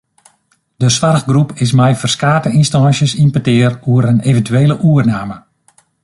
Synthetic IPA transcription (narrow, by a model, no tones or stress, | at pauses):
d̥əsʋarxɡrupʰɪs̬mɛjfərskaːtəʔinstɑːnsjəsinpətɪəruəɾənevəntyeːləʔuərnaːmə